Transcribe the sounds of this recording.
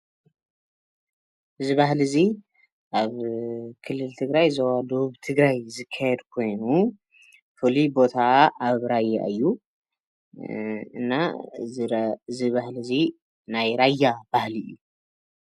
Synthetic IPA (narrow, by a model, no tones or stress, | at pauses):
ʔɨziβahlɨzi | ʔaβkʰɨlːɨlt̪ʰɨɡɾajzɐwad̪oβuβt̪ʰɨɡɾajzɨkʰːajɛd̪kʰo̞jnu | fɨlibo̞t̪ʰaːβɾajːa̰ʔɨjːu | ɨnːa | ziβahlizi | najɾajːab̥ahliːu